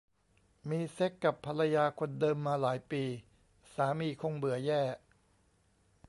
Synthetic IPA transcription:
miː˧se˦˥kːa˨˩pʰːa˧la˧jaː˧kʰo˧ndɤː˧mːaː˧laː˩˦jpiː˧ | saː˩˦miː˧kʰo˧ŋbɯ˨˩˦ɐjɛː˥˩

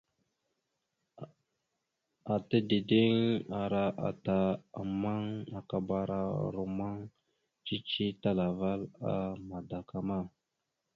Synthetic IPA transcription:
a˨ta˦di˨di˦ŋa˨ɾa˦ʔa̰˨ta˨a̰˨ma˦ŋa˨ka˨ba˨ɾa̰˦ɾo˨ma˦ŋ | t͡ʃi˦t͡ʃi˦ta˦la˨va˦la̰˦ma˨da˨ka˨ma˦˨

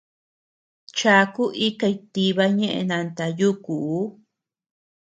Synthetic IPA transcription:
t͡ʃa˧ku˦ʔi˦ka˧i˧t̪i˧βa˧ɲẽ˦ʔḛ˧nã˧nt̪a˧ju˦kuː˨˦

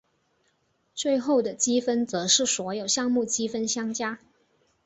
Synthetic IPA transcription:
t͡swe˥˧ɪxo˥˩ʊd̪ə˩t͡ɕi˥fə˥nt͡sɤ˧˥ʂɻ̩˥˩swɔ˧˥jo˨˩ʊɕjɑ˥˧ŋmu˥˩t͡ɕi˥fə˥nɕjɑ˥ŋt͡ɕja˥

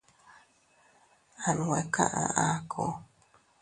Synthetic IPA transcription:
a˨n˨we˨ka̰˦ʔã˧ʔa˦kʰo˨

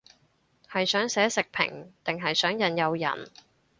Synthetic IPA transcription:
hɐ˨jsœː˨˥ŋsɛː˨˥sɪ˨k̚pʰɪ̰˨˩ŋt̪ɪ˨ŋɦɐ˨jsœː˨˥ŋjɐ˨˧njɐ˨˧wjɐ̰˨˩n

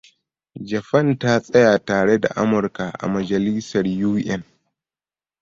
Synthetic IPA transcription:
d͡ʒɐ˨ɸɐ˦ntaː˦sʼɛ˦jaː˨taː˨ɽɛ˦da̰˨ʔa˦mʊ˨ɾka˨ʔa̰˨mɐ˨d͡ʒɐ˨liː˦sɐ˨ɾjuː˦ʔɛ˦n

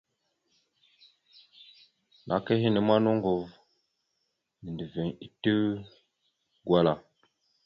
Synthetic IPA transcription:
nʔa̰˨ke˦hi˦nə˨ma˦no˦ŋ˦ɡo˨v | ni˨di˨ve˨ŋi˨tə˦ | ɡwa˦la˨

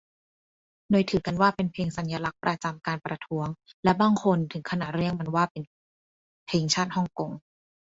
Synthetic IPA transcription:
doː˧jt̪ʰɯː˩˦ka˧nwaː˥˩pe˧npʰeː˧ŋsa˩˦njaː˧la˦˥k̚pɾa˧t͡ɕa˧mkaː˧npɾa˧t̪ʰu˦˥əŋlɛ˦˥baː˧˩ŋkʰo˧nt̪ʰɯ˨˩˦kʰa˧na˨˩ɾɯ˥˩əŋma˧nwaː˥˩pe˧n | pʰeː˧ŋt͡ɕʰaː˥˩t̪̚hɔ˥˩ŋko˧ŋ

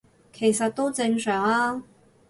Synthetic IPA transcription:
kʰe˨˩jsɐ˨t̚t̪o˥wt͡sɪ˧ŋsœː˨˩ŋaː˥

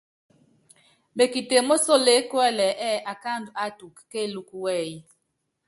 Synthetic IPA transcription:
ɓe˨ki˨te˨mo˦so˦˨le˨˦kwɛ˦lɛ˨ʔɛ˦ʔa˨ka˦˨ndu˨a˦tu˨kːe˦˨lu˦ku˦wɛ˦˨ji˦

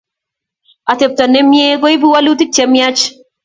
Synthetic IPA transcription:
a˨t̪e˨p̚t̪a˨ne˦mje˦ɡo˦i˦bu˦wa˦lu˦t̪i˦t͡ʃɛ˦mja˦t͡ʃ

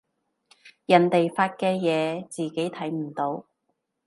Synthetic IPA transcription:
jɐ˨˩nt̪e˨jfaː˧t̚kɛː˧jɛː˨˧t͡siː˨ke˨˥jt̪ʰɐ˨˥jm̩˨˩t̪o˨˧w

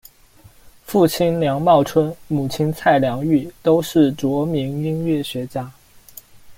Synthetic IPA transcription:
fu˥˩t͡ɕʰi˥˩nljɑ˧˥ŋmɑ˥˩ʊʈ͡ʂʰwə˥nmu˨˩t͡ɕʰi˥nt͡sʰa˥˩ɪljɑ˧˥ŋy˥˩t̪o˥ʊʂɻ̩˥˩t͡swɔ˧˥mi˧˥ŋi˥ŋɥɛ˥˩ɕɥɛ˧˥t͡ɕja˥

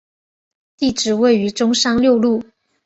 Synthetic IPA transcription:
t̪i˥˩ʈ͡ʂɻ̩˥˩we˥˩ɪy˧˥ʈ͡ʂʊ˥ŋʂɑ˥ŋljo˥˧ʊlu˥˩

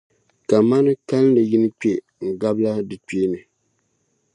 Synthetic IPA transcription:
ka˨ma˦nɨ˦ka˦lnɨ˨ji˦nɨ˦k͡pe˦ | ŋ̩˨ɡa˦bla˦dɨ˨k͡peː˦nɨ˨

